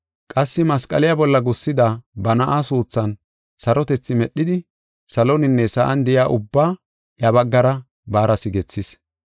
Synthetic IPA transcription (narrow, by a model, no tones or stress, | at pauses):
kʼɐsːɪmɐskʼɐ̰lɪjabɔlːɐɡʊsːɪd̪abɐnɐʔaːsuːt͡sːɐn | sɐɾɔt̪ɛt͡sːɪmɛɗːɪd̪ɪ | sɐlɔnɪnːɛsɐʔɐnd̪ɪjaːʔʊbːaː | jɐbɐɡːɐɾɐ | baːɾɐsɪɡɛt͡sːɪs